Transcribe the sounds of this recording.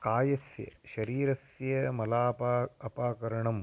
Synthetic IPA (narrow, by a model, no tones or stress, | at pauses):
kaːjɐsjɐ̰ʃɐɾiːɾɐsjɐmɐlaːpaɐpaːkɐɾɐɳɐm